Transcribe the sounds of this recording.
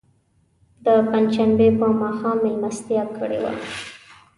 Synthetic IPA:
d̪əpanʃambepəmɑxɑmːɪlmast̪ijɑkəɽḛwa̰

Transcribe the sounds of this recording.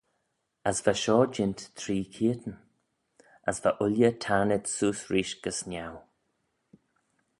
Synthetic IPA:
asvaʃɔːd͡ʒɪnt̪t̪ʰɾiːkʰiət̪ən | asvaʔʊljət̪ʰaːnət̪suːsɹiːʃɡ̥əsnʲaw

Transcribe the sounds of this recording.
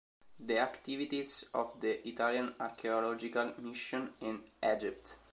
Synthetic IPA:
d̪əakt̪ivit̪izɔvd̪əʔit̪aljãnaɾkʰeɔlɔd͡ʒikalmiʃõnĩnɛd͡ʒip̚t̪

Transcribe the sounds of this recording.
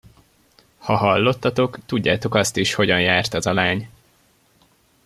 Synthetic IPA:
hɒɦɒlːo̞t̪ːɒt̪o̞kt̪uɟːaːt̪o̞kɒst̪iʃho̞ɟɒnjaːrt̪ɒzɒlaːɲ

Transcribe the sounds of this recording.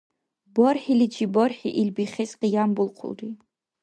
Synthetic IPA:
bɔrħilid͡ʒʰibɔrħḭʔilbiχɛsqijambulˠqʰʊ̰ldi

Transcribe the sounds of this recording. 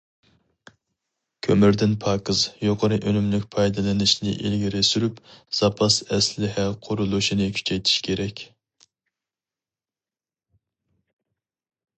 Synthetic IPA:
kʲʰømyɾd̪ɪnpʰɑːkɨzjoqʰəɾɨʔølymlykʲpʰɑjd̪ɨlˠɨnɨʃnɪ̰ʔilɡʲiɾɪsyɾypz̥ɑpʰɑsɛslɪɦɛqʰʊɾulˠuʃinɨkʲʰy̥t͡ʃʰɛjt̪ʰi̥ʃkʲʰeɾɛkʲ

